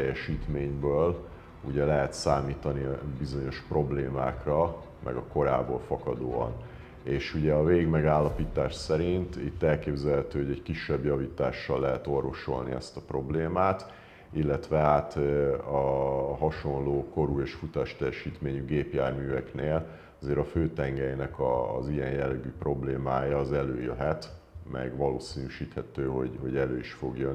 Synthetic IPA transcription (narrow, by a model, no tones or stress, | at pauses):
ɛjɛʃiːt̪meːɲbøːl | uɟɛlɛɦɛt̪saːmiːt̪ɒnibizo̞ɲo̞ʃpro̞bleːmaːkrɒ | mʔɛ̰ɡɒko̞ɾaːbo̞̰ːlfɒkɒd̪o̰ːɒ̰n | eːʃuɟɛɒveːɡiɡmɛɡaːlːɒpiːt̪aːʃsɛɾint̪it̪ːɛlkeːbzɛlɦɛt̪øːɦoɟɛɟkiʃːɛbjɒviːt̪aːʃːɒlːɛɦɛt̪o̞rvo̞ʃo̞̰lnḭɛ̰st̪ɒpro̞bleːmaːt̪ | ilːɛt̪ʋɛaːt̪ɒɦɒʃo̞nloːko̞ɾuːeːʃfut̪aːʃt̪ɛjɛʃiːt̪meːɲyɡeːpjaːrmyːvɛkneːl | ɒzeːɾɒføːt̪ɛŋɡɛjnɛkɒ̰zijɛnjɛlːɛɡyːpro̞bleːmaːjɒːzɛløːjø̰ɦɛt̪ | mɛ̰ɡʋɒloːsiːnyʃiːt̪hɛt̪øːɦo̞̰ɟho̞ɟɛlø̰ːiʃfo̞ɡjøn